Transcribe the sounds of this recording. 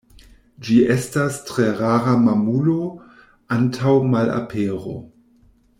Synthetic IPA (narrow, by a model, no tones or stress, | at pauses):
d͡ʒiestastʁeʁaːɾamamulo̞ | antʰawmala̰pʰeːɾo̞̰